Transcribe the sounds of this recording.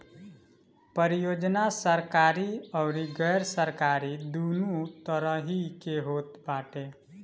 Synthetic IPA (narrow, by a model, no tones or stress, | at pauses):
pəɾijod͡ʒnasəɾkaɾiɔʊɾiɡəjɾsəɾkaɾid̪unut̪əɾəɦikeɦoːt̪baʈe